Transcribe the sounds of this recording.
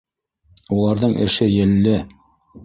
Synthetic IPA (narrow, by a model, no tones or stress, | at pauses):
ulˠɑɾðɤɴʔɘ̰̆ʃɘjɘ̆lːɘ